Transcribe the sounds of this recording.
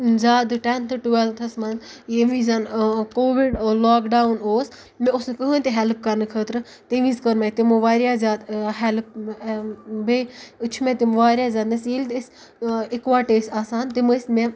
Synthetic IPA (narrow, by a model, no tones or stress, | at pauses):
zʲaːd̪ɨʈɛnt̪ʰɨʈuʋɛlt̪ʰɐsmanjeʋizankoːʋiɖolɔːkɖaːunoːs | mẽosnɨkəɦə̃nt̪eɦɛlp̚kɐɾnɨkʰəːt̪ɾɨ | t̪eʋĩskəɾmat̪imuʋaːɾʲjaːzʲaːd̪ɦɛlp̚ | beɨt͡ʃʰmẽt̪imʋaːɾjaːzʲaːd̪nɐsilʲt̪is | ikʋaːʈeːsaːsaːnt̪iməsme